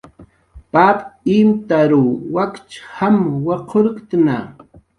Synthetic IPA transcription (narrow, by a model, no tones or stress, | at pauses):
papimt̪aɾuwakt͡ʃhamwaqʰoɾkt̪na